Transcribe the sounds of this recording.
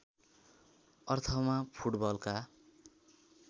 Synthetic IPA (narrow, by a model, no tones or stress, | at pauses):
ʌrt̪ʰʌmapʰuʈbʌlka